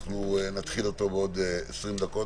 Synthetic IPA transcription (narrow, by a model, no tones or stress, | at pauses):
χnunat̪χilot̪o̞beod̪eesʁimd̪ako̞